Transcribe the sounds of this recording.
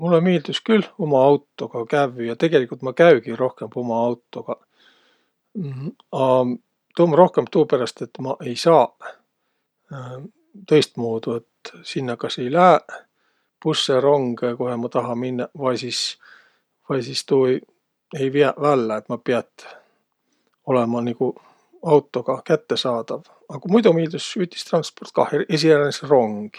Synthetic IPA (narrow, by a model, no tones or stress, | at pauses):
mulːemiːld̪̥uskylomɑɑwt̪ːˑo̞ɡ̥ɑkævyjɑt̪e̞ɡ̥e̞likult̪mɑkæyɡiɾo̞hke̞mb̥omɑɑwt̪ːˑo̞ɡ̥ɑ | ɑ | t̪oːmɑɾo̞hke̞mbt̪uːpeɾɑst̪e̞t̪ːmɑʔe̞jsɑː | t̪ɤ̞jst̪̚muːd̪uet̪sinːɑkɑse̞jlæe | pusːeɾoŋɡ̥kohemɑt̪ɑɦɑminːɑvɑjsiːs | vɑjsist̪uːej | e̞jviɑʔvælːeet̪mɑpiɑt̪ˑ | o̞lemɑniku | ɑwt̪ːˑo̞ɡ̥ɑkæt̪ːe̞sɑːd̪̥ɑv | ɑkumujd̪umiːld̪usyːt̪d̪i̥st̪rɑnspo̞rt̪̚kɑhees̬iæɾnesero̞ŋɡ̥